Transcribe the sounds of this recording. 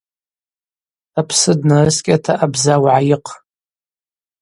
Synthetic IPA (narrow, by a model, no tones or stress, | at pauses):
apʰsɨdnarɨskʲʼatʰaʔabzawʕajɪqʰʼ